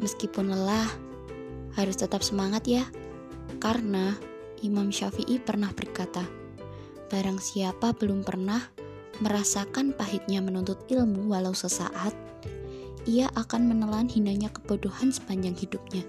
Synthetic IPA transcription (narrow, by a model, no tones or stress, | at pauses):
məskipʊnlah | haɾʊst̪ət̪ap̚səmaŋat̪ja | karəna | ʔimamʃafiʔipərnahb̥ərkat̪a | b̥aɾaŋsiapabəlʊmpə̰rnah | məɾasakanpaɦɪt̪̚ɲamənunt̪ʊt̪ilmuwalausəsa̰ʔat̪̚ | ʔiaʔakanmənəlanhinaɲakə̥bodohansə̥baɲd͡ʒaŋhidup̚ɲa